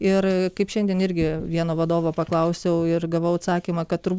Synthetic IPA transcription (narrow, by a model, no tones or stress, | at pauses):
ɪrkɐɪpʃʲɛnʲd̪ʲiɛnɪɾʲɡʲɪʋʲiɛnoːʋɐd̪oːʋoːpɐklˠɐʊsʲɛʊɪrɡɐʋɐʊɐt̪sɑːkʲiːmɐkɐt̪tʊɾb